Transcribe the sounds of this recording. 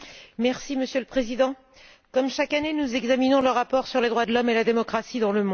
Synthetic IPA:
mɛʁsiməsjøləpχezid̪ɑ̃ | kɔmʃakanenuzɛɡzaminɔ̃ləʁapɔʁsyʁled̪ʁwad̪lɔmelad̪emɔkχasid̪ɑ̃ləmɔ̃

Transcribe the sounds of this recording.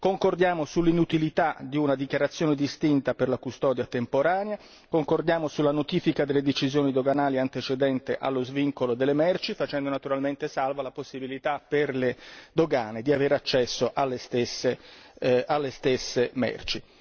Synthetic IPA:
koŋkord̪jaːmosulːinut̪ilit̪ad̪iunad̪ikjaɾat̪sːjoːned̪ist̪int̪aperlakust̪ɔːd̪jat̪empoɾaːnea | koŋkord̪jaːmosulːanot̪iːfikad̪elːed̪et͡ʃizjoːnid̪oɡanaːliant̪et͡ʃed̪ɛnt̪eʔa̰lːozviŋkolod̪elːemɛrt͡ʃifat͡ʃɛnd̪onat̪uɾalment̪esalvalaposːibilit̪apːerled̪oɡaːned̪iaveːɾat͡ʃːɛsːoʔalːest̪esːe | ʔalːest̪esːemɛ̰rt͡ʃi

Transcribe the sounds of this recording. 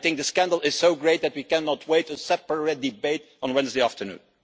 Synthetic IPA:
θɪ̃ŋk̚ðəskæ̃ndl̩ˠɪz̥soʊɡɹeɪt̪̚ðɨt̚wikæ̃nɑt̚ʰweɪtəsɛpə˞ɪt̚dɨbeɪt | n̩wɛ̃nzdeɪæftənṵ̃n

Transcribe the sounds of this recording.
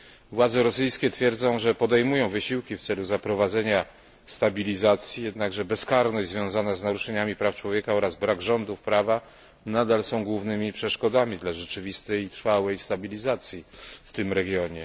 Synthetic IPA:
vwad̪zɛɾɔsɘjskʲɛt̪fʲjɛɾd̪zɔ̃w̃ʐɛpɔd̪ɛjmujɔ̃w̃vɘɕiwkʲift̪sɛluzapɾɔvad̪zɛɲa | st̪abʲilʲizat̪sʲjijɛd̪naɡʐɛbɛskaɾnɔɕʲzvjɔ̃w̃zanaznaɾuʂɛɲamʲipɾaft͡ʂwɔvʲjɛkaɔɾazbɾaɡʐɔnd̪ufpɾava | nad̪alsɔ̃w̃ɡwuvnɘmʲipʂɛʂkɔd̪amʲid̪laʐɛt͡ʂɘvʲist̪ɛjt̪ɾfawɛjst̪abʲilʲizat̪sʲjift̪ɘmɾɛɡʲjɔɲɛ

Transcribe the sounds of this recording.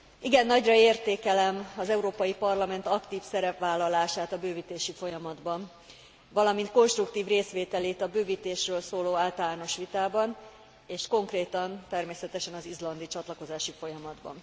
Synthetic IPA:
iɡɛnːɒɟrɒeːrt̪eːkɛlɛmɒzɛuɾoːpɒjipɒrlɒmɛnt̪ɒkt̪iːfsɛɾɛpʋaːlːɒlaːʃaːt̪ɒbøːvit̪eːʃifo̞jɒmɒd̪bɒn | vɒlɒmint̪ko̞nʃt̪rukt̪iːvreːsʋeːt̪ɛleːt̪ɒbøːvit̪eːʃrøːlsoːloːaːlt̪ɒlaːno̞ʃʋit̪aːbɒn | eːʃko̞ŋkreːt̪ɒnt̪ɛrmeːsɛt̪ɛʃɛnɒzizlɒnd̪it͡ʃɒt̪lɒko̞zaːʃifo̞jɒmɒd̪bɒ̰n

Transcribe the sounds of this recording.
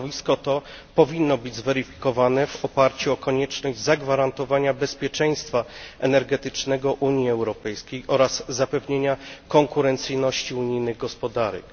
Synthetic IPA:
vʲiskɔt̪ɔ | pɔvʲinːɔbɘd͡ʑʲzvɛɾɘfʲi̥kɔvanɛvɔpaɾt͡ɕuɔkɔɲɛt͡ʂnɔʑzaɡvaɾant̪ɔvaɲabɛspʲjɛt͡ʂɛj̃st̪faɛnɛɾɡɛt̪ɘt͡ʂnɛɡɔʔuɲiɛwɾɔpɛjskʲejʔɔɾazzapɛvɲeɲakɔŋkuɾɛnt̪sɘjnɔɕt͡ɕiuɲijnɘɣɡɔspɔd̪aɾɛ̰k

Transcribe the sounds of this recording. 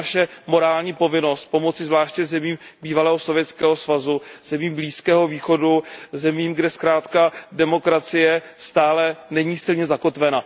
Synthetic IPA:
aʃɛmo̞ɾaːlɲiːpo̞vɪno̞st̪̚po̞mo̞t͡sɪzvlaːʃcɛzɛmiːmbiːvalɛːɦo̞so̞vjɛt͡skɛːɦo̞svazuz̥ɛmiːmbliːskɛːɦo̞viːxo̞duzɛmiːmɡdɛskɾaːt̪kadɛmo̞kɾat͡sɪjɛ | st̪aːlɛnɛɲiːsɪlɲɛzako̞t̪vɛna

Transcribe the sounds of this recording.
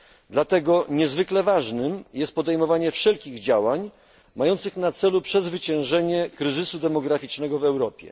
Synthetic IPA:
d̪lat̪ɛɡɔɲɛzvɘklɛvaʐnɘmjɛst̪̚pɔd̪ɛjmɔvaɲɛfʂɛlkʲiɣd͡ʑawaɲ | majɔnt̪sɘxnat̪sɛlupʂɛzvɘt͡ɕɛ̃w̃ʐɛɲɛkɾɘzɘsud̪ɛmɔɡɾafʲit͡ʂnɛɡɔvɛwɾɔpʲjɛ̰

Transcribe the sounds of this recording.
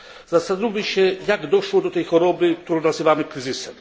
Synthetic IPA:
zasad̪ubiʃejakd̪oʃlˠod̪ot̪ejxoɾobit̪oɾod̪aseʋamikɾizisɛ

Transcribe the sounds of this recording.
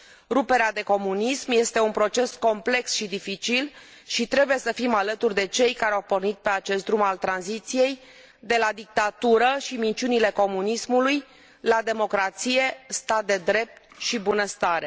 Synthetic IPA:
ɾupe̞ɾead̪e̞ko̞munismje̞st̪e̞unpɾo̞t͡ʃe̞sko̞mple̞ksʃid̪ifit͡ʃil | ʃit̪ɾe̞buje̞səfimalət̪urʲd̪e̞t͡ʃe̞jkaɾeawpo̞rnit̪̚pe̞at͡ʃe̞st̪̚d̪ɾumalt̪ɾanzit̪sije̞j | d̪e̞lad̪ik̚t̪at̪uɾəʃimint͡ʃiunile̞ko̞munismuluj | lad̪e̞mo̞kɾat̪sije̞st̪at̪̚d̪e̞d̪ɾe̞p̚t̪̚ | ʃibunəst̪aɾe̞

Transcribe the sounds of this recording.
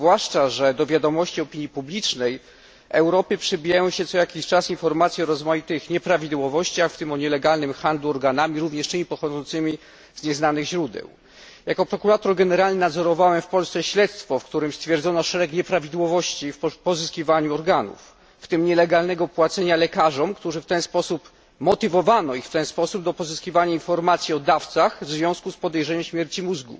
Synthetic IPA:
vwaʂt͡ʂaʐɛd̪ɔvʲjad̪ɔmɔɕt͡ɕiɔpʲiɲjipublʲit͡ʂnɛj | ʔɛwɾɔpɘpʂɛbʲijajɔ̃w̃ɕɛt̪sɔjakʲiɕt͡ʂasinfɔɾmat̪sʲjiɔɾɔzmajit̪ɘxɲɛpɾavʲid̪wɔvɔɕt͡ɕaxft̪ɘmɔɲɛlɛɡalnɘmxand̪luɔɾɡanamʲiɾuvɲɛʂtɘmʲipɔxɔd̪zɔnt̪sɘmʲi | z̥ɲɛznanɘɣʑɾud̪ɛ̰w | jakɔpɾɔkuɾat̪ɔɾɡɛnɛɾalnɘnad̪zɔɾɔvawɛmfpɔlst̪sɛɕlɛt̪st̪fɔfkt̪uɾɘmst̪fʲjɛɾd̪zɔnɔʂɛɾɛkɲɛpɾavʲid̪wɔvɔɕt͡ɕifpɔzɘskʲivaɲuɔɾɡanṵfː | t̪ɘmɲɛlɛɡalnɛɡɔpwat̪sɛɲalɛkaʐɔmkt̪uʐɘft̪ɛnspɔsup | mɔt̪ɘvɔvanɔixft̪ɛnspɔsub̚d̪ɔpɔzɘskʲivaɲainfɔɾmat̪sʲjiɔd̪aft̪saxvzvʲjɔ̃w̃skuspɔd̪ɛjʐɛɲɛmɕmʲjɛɾt͡ɕimuzɡṵ

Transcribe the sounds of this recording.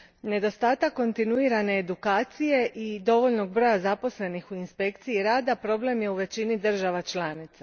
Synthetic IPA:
ne̞d̪o̞st̪aːt̪akːo̞nt̪inuiːɾane̞ːd̪ukaːt̪sije̞ʔid̪o̞ʋo̞ʎno̞ɡ̚bɾo̞jazapo̞sle̞nixuinspe̞kt̪siiɾaːd̪apɾo̞ble̞mje̞uʋe̞t͡ɕinid̪r̩ʒaʋat͡ʃlaːnit̪sa

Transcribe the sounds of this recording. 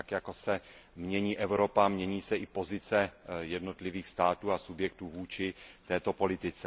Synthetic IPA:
akjakosɛmɲɛɲiːʔɛvɾo̞pamɲɛɲiːsɛʔɪpo̞zɪt͡sɛjɛdno̞t̪lɪviːxst̪aːt̪uːasubjɛk̚t̪uːvuːt͡ʃɪt̪ɛːt̪o̞po̞lɪt̪ɪt͡sɛ

